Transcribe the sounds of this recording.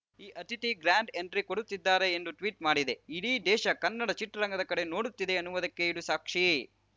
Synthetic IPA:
iːʔɐt̪iʈiɡɾaːɳɖeɳɖɾikoɽut̪ːid̪ːaːɾe̞ːnd̪uʈʋiːʈmaːɽid̪e̞iɽiːd̪ɛːʃɐkɐnːɐɽɐt͡ʃiʈːɐɾɐŋɡɐd̪ɐkɐɽe̞no̞ːɽut̪ːid̪eɐnːuʋɐd̪ɐkːe̞iɽusaːkʂi

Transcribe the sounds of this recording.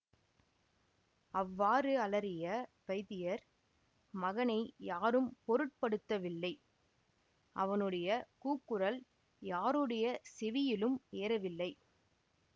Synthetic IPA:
ɐʋːaːɾɯɐlɐɾɪjɐ | ʋɐɪðɪjɐɾ | mɐɣɐnɐɪjaːɾɯmpɔɾɯʈ̚pɐɽɯt̪ːɐʋɪlːɐɪ | ʔɐʋɐnɯɽɐjɐkuːkːɯɾɐl | jaːɾɯɽɐjɐsɪʋɪjɪlɯmeːɾɐʋɪlːɐɪ

